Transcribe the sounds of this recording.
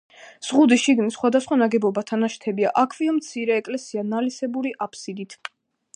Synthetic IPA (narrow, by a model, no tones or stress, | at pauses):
z̥ʁud̪iʃiɡnisχwad̪asχwanaɡɛbɔbat̪ʰanaʃt̪ʰɛbia̰ʔakʰviɔmt̪sʰiɾɛːkʼlɛsianalisɛbuɾiʔapʰsid̪it̪ʰ